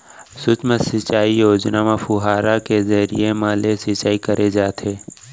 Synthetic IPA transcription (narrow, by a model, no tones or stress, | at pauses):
sʊt͡ʃməsɪt͡ʃaːijoːd͡ʒnamẽpʰʊɦaːɾakezɐɾḭemãːlesɪt͡ʃaːikɐɾʔed͡ʒaːt̪ʰeː